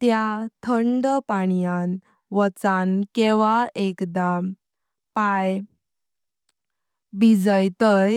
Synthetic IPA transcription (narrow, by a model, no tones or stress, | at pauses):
t̪jat̪ʰəɳɖpaɽijan | ʋət͡sankeʋaekd̪am | paj | bid͡zəjt̪əj